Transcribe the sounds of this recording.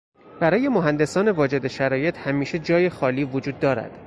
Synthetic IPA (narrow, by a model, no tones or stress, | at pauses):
b̥æɾɒːje̞moɦænd̪e̞sɒːne̞vɒːd͡ʒe̞d̪e̞ʃæɾɒːje̞t̪ʰhæmiːʃe̞d͡ʒɒːje̞xɒːliːvod͡ʒuːd̪ːɒːɾæ̰d̪̥